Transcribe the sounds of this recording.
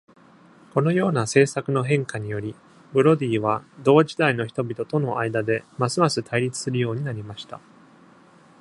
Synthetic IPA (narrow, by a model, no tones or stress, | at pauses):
ko̞no̞jo̞ːnase̞ːsakɯ̟no̞ɦẽ̞ŋkaɲ̟ijo̞ɾʲi | bɯ̟ɾo̞d̪ʲiːβ̞ad̪o̞ːd͡ʑid̪aino̞çi̥t̪o̞bʲit̪o̞t̪o̞no̞ʔaid̪ad̪e̞masɨmasɨt̪ʰaiɾʲit͡sɨ̥sɨɾɯjo̞ːɲ̟inaɾʲimaɕi̥t̪a̰